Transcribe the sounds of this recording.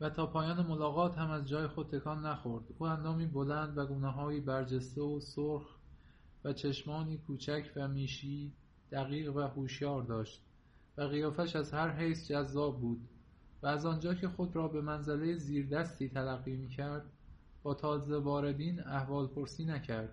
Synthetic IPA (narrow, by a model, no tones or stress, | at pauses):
væt̪ʰɒːpʰɒːjɒːne̞mo̞lɒːɣɒːt̪hæmæzd͡ʒɒːjexod̪̚t̪ʰe̞kʰɒnːæxo̞ɾd̪̥uːænd̪ɒːmiːbolænd̪væɡuːneɦɒːjiːbæɾd͡ʒest̪eosoɾx | væt͡ʃʰeʃmɒːniːkʰuːt͡ʃʰæcʰvæmiːʃiː | d̪̥æɣiːɣvæhoːʃjɒːɾd̪ɒːʃt̪ | væɣijɒːfæʃæzhæɾɦejsd͡ʒæzːɒːb̚ːuːd̪ | væːzɒːnd͡ʒɒːcʰe̞xo̞d̪ɾɒːbe̞mænzæle̞jeziːɾd̪æst̪iːt̪ʰælæɣːiːmiːcʰæɾd̪̥̚ | bɒːt̪ʰɒːze̞vɒːɾe̞d̪iːnæhvɒːlpʰo̞ɾsiːnæcʰæɾd̪̥